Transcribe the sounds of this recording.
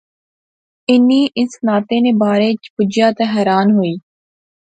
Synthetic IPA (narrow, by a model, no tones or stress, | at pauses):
ɪniːʔɪsnaːt̪ẽːnẽːbaːɾeːt͡ʃpʊd͡ʒjaːt̪eɦɛːɾaːnɦoiː